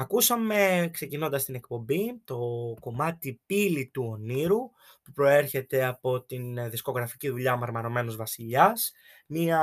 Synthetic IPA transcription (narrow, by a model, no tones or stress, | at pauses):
ɐkusɐme̞kse̞cino̞nd̪ɐst̪ine̞kpo̞mbit̪o̞ko̞mɐt̪ipilit̪uo̞niɾu | pupɾo̞e̞ɾçe̞t̪e̞ɐpo̞t̪inðisko̞ɣɾɐficiðuʎɐmɐɾmɐno̞me̞nozvɐsiʎɐs | miɐ